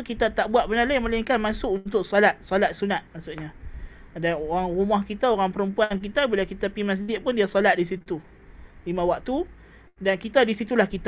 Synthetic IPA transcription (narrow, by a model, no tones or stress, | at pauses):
sokit̪at̪aʔbuaʔ̪̚bənalajmalaŋkanmasʊʔunt̪ʊksɔlat̪̚sɔlat̪̚sunat̪̚masʊʔ̚ɲa | daoɾaŋrumahkit̪aoɾaŋpəɾəmpuank̬it̪abilakit̪apimas̬d͡ʒɪʔ̚pʊndiasɔlat̪̚disit̪u | limãwak̚t̪u | dankit̪adisit̪ulahkit̪a